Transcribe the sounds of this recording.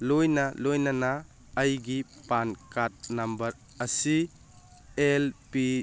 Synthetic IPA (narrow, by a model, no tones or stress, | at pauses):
lojnɐlojnɐnaː | jɡi | pankat̚nɐmbɐɾ | ɐsi | elpi